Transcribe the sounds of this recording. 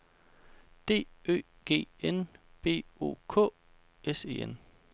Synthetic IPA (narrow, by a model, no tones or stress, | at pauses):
d̥e̝̰ːø̰ː | ɡ̥e̝̰ːenb̥e̝̰ːo̝̰ːkʰɔ̰̽ː | ese̝̰ːen